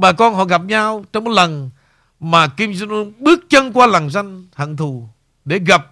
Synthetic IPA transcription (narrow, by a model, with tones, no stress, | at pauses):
ɓaː˨˩kɔ˧nɦɔ̰˧˨ɣa˨˩p̚ɲaː˧wt͡ɕɔ˧ŋ͡mmo˨˦t̚lə˨˩n | maː˨˩ki˧mza˧nʔu˧nɓɨ˦˥ək̚t͡ɕə˧nkwaː˧la˨˩ŋza˧jŋha̰˧˨ŋt̪ʰu˨˩ | ɗe˧˩ɣa˨˩p̚